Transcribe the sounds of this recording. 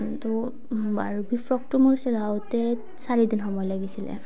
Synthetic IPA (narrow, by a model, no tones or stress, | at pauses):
tɔ | baɹbifʰɹɔk̚tumuɹsɛlawtɛ | saɹidinxɔmɔjlaɡisilɛ̰